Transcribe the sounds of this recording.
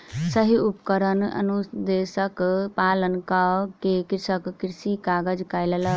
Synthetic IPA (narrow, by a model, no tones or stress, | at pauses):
səɦiupkəɾənə̰nud̪esəkpalənkakekiɾsəkːiɾsikaɡəd͡ʒkajləl